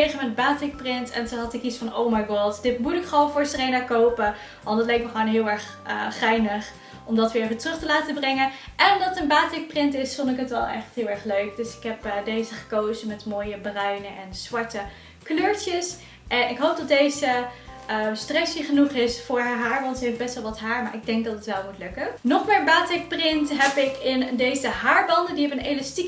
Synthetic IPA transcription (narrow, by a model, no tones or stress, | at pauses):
eχəmədbaːtɪk̚prɪntɛ̰ntuɦɑtɪkitsfɑnowmajɡɔtdɪtmutɪkχəʋownfʊːɹsərejnakowpə | ʋɑndɑtlɛjk̚məχʋoːnɦɪːlˠɛɹχ | əχɛjnəχ | ɔmdɑtʋɪːɹevətrɵχtəlaːtəbrɪŋəʔɛnɔmdɑtətənbaːtɪk̚prɪntɪsfɔndɪkɦətʋɛlˠɛ̰χtɦɪːlˠɛɹχløɥkdɵsɪ̥kɦɛpdejzəχə̥kowzəmɛtmoːjəbrœɥnəʔɛnz̥ʋɑɹtə | kløːɹtəs | ʔɛnɪkɦowp̚dɑtdejzəəstrɛsjəχənuχɪsfʊːɹaɦaːɹbɑntsəɛfbɛstʋɛlˠʋɑtɦaːɹmaːɹɪɡ̚dɛŋk̚dɑtətʋɛlˠmutlɵkənɔχmaːɹənbaːtɪk̚prɪntɦɛpɪkɪndejzəɦaːɹbɑndəndiɛpənelastik